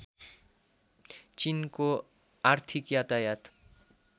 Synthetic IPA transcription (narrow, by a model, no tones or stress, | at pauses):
t͡ɕinko | aɾt̪ʰikjat̪ajat̪